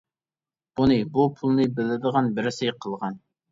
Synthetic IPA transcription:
unɨbupʰulˠnɨbɪlːɪd̪əʁɑnbɪɾɪsɪjqʰəlˠʁɑn

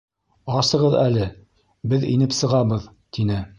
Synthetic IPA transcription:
ɑsɤ̆ʁɤðælɘ | bɘðḭnɘpsɤ̆ʁɑβɤð | t̪inɘ

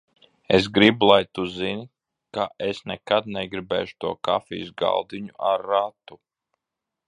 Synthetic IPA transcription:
es̬ɡɾibulˠajt̪uzin | kaesnɛkad̪̚nɛɡɾibɛ̰ːʃu̥t̪uɔka̰fḭːsɡa̰lˠd̪iɲuʔaɾːat̪u

